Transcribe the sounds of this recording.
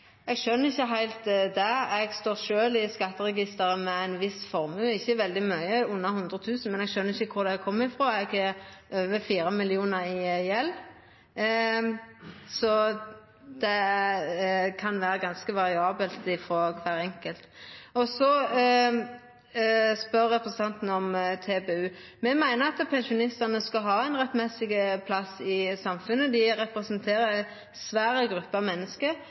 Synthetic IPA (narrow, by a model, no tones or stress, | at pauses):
ɛɡʃœnːəɾɪçːəɦæɪlt̪d̪ɛɛɡst̪oːʁʃøːlɪskɑt̪ːəɾɛɡɪst̪əɾəmɛæɪnʋɪsfɔɾmʉːɪçːəʋɛld̪ɪmœʏəʊnːɑɦʉnd̪ɾət̪ʰʉːsn̩mɛnɛɡʃœnːɾɪçːəkʰʊɾd̪ækʰɔmːɪfʁoːɛɡɛʔøːʋəfiːɾəmɪlɪuːnəɾɪjɛlː | sɔ | d̪ɛ | kʰɑnʋæːɾəɡɑnskəʋɑɾɪɑːbəlt̪ɪfɾoːkʰʋæːɾɛŋkəlt̪ɔsɔ | spœʁːɛpɾəsn̩ɑnt̪n̩ɔmt̪ʰeːbeːʉːmɛmæɪnəɑt̪pʰɛnʃʊnɪst̪ənəskɑɦɑːæɪnʁɛt̪mɛsɪɡəpʰlɑsɪsɑmfʉnːəd̪ɪɾɛpɾɛsənt̪ʰeːɾəɛ | sʋæːɾəɡɾʉpːəɑmɛnːəskə